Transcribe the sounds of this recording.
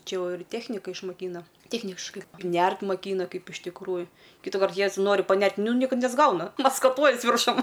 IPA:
ˈt͡ʃʲɛ ˈjɛʊ ɪr ˈtʲeːxʲnʲɪkɐ ɪʃmɐˈkʲiːnɐ ˈtʲeːxʲnʲɪʃkɐɪ ˈnʲært mɐˈkʲiːnɐ ˈkɐɪp ɪʃ tʲɪkˈruːjʊ kʲiːtʊˈkɐrt ˈjɛs ˈnoːrʲɪ pɐˈnʲɛrʲtʲ ˈnʊ nʲɪ ˈkɐt nʲɛzˈɡɐʊnɐ mɐskɐˈtuɔjiɛs ʋʲɪrˈʃʊm

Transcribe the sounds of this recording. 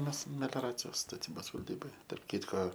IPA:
ˈmʲɛs mʲɛlʲoːˈrɑːt͡sʲɪjoːs stɐˈtʲiːboːs ʋɐlʲˈdʲiːboːjɛ tɐrp ˈkʲiːtkoː

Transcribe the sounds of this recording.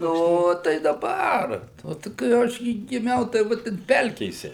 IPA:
ˈnoː tɐɪ dɐˈbɐr ˈoː tɐɪ kɐɪ ˈɐʃ ɡʲɪ ɡʲɪˈmʲɛʊ tɐɪ ˈʋɐ tʲɛn ˈpʲɛlʲkʲeːsʲɛ

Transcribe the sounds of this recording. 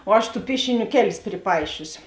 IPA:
oː ˈɐʃ ˈtuː ˈpʲiɛʃʲɪˌnʲuː ˈkʲæːˌlʲɪs pʲrʲɪˈpɐɪʃʲʊsʲɪ

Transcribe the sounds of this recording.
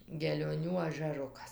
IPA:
ɡʲɛlʲoːˈnʲuː ɐʒʲæˈrʊkɐs

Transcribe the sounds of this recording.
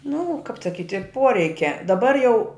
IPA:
nʊ kɐp sɐˈkʲɪtʲɪ ˈpoːrʲɛɪkʲɛ dɐˈbɐr jɛʊ

